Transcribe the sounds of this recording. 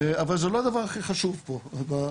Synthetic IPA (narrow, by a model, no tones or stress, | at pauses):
avalzelo̞ad̪avaʁaχiχaʃuvpoba